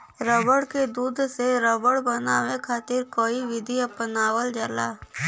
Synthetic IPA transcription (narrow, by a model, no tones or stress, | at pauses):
ɾəbəɽked̪uːd̪ʱseɾəbəɽbənawekʰaːt̪ɪɾkoːiʋɪd̪ʱiɐpənaːwəld͡ʒəlaː